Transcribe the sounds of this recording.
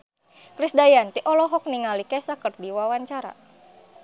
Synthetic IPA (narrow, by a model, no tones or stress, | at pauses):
kɾisdajant̪iʔɔlɔɦɔk̚niŋalikɛsakərdiwawaɲt͡ʃaɾa̰